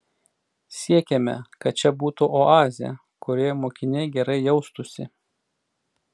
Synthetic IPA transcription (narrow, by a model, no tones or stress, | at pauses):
sʲiɛkʲemʲɛ̰kɐt̪̚t͡ʃʲɛbuːt̪uʔoɑːzʲɪɛ̰ | kʊɾʲiɛmoːkʲɪnʲɛɪɡʲɛɾɐɪjɛʊst̪ʊsʲɪ̰